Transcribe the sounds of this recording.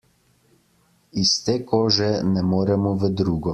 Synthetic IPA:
ist̪eːkoːʒɛnɛmoːɾɛmɔʋəd̪ɾuːɡɔ

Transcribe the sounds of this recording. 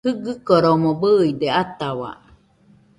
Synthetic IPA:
hɯɡɯkoɾomobɯːjd̪eat̪awa̰

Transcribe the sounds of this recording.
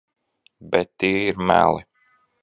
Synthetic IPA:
bɛt̪ːiːiɾmæ̰ːlˠɨ

